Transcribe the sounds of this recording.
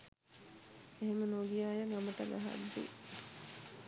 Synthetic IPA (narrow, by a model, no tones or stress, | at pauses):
eɦemənoɡijaːjəŋaməʈəɡa̰ɦa̰d̪ːḭ